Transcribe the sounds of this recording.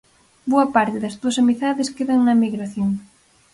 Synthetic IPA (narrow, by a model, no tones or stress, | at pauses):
boɐpaɾt̪ɪðɐzðuɐsamiθaðɪskeðaŋnɐmiɣɾaθjoŋ